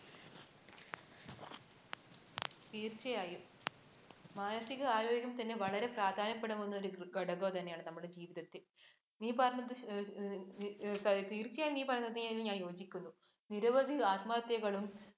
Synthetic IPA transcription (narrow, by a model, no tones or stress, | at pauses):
t̪iːrt͡ɕːɐjaːjum | maːnɐsiɣɐaːɾo̞ːɡɡʲjɐmt̪ɐnːeʋɐɭɐɾe̞praːd̪ʱaːnɐpːe̞ɽɐmonːoɾuɡɐɽɐɣoːt̪ɐnːe̞jaːɳɨnɐmːuɽed͡ʑiːʋiðɐt̪ːi | niːpɐrɐɲːɐðɨ | sɐt̪iːrt͡ɕːɐjaːjiniːpɐrɐɲːɐðɨɲliɲaːnjo̞ːd͡ʑikʲːunːu | niɾɐʋɐd̪ʱiaːt̪maːt̪jɐɣɐɭum